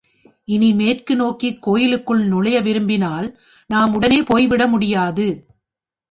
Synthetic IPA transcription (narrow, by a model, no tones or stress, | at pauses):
ʔɪnimeːrkɯnoːkikːoːjɪlɯkːɯɭnʊɭɐjɐʋɪɾɯmbɪnaːl | naːmʊɽɐneːpoːjʋɪɽɐmʊɽɪjaːðɯ